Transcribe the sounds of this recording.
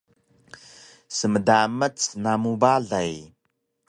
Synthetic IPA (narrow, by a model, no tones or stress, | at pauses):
səmədamət͡snamubaɮaj